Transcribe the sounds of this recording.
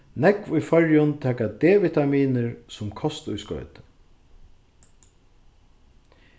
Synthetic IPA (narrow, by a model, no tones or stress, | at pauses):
nɛkʋʊjfœɹjʊnt̪ʰɛːkad̪eːvit̪amiːnɪɹsʊmkʰɔst̪ʊjskœ̰ːt̪